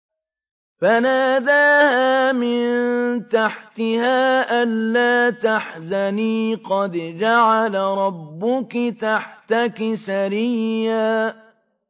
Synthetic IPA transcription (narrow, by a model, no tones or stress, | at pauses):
fanaːd̪aːhaːmɪnnt̪aħt̪ɪhaːʔanlaːt̪aħzaniːqɑd̪d͡ʒaʕalaɾˤɑbːʊkt̪aħt̪akɪsaɾɪjːaː